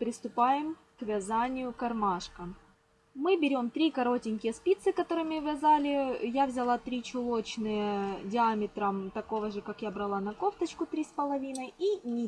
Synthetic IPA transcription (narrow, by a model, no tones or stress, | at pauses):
pɾʲɪst̪ʊpajɪm | kvʲɪzanʲɪjʊkɐrmaʂkə | mɨbʲɪɾʲo̞mt̪ɾʲikɐɾo̞tʲɪnʲkʲɪjəspʲit̪sɨkɐt̪o̞ɾɨmʲɪvʲɐzalʲɪjavzʲɪlˠat̪ɾʲit͡ɕʊlˠo̞t͡ɕnɨjədʲɪamʲɪt̪ɾəmt̪ɐko̞vəʐɨkakjabɾɐlˠanɐkoft̪ət͡ɕkʊt̪ɾʲispəlˠɐvʲinəjinʲɪ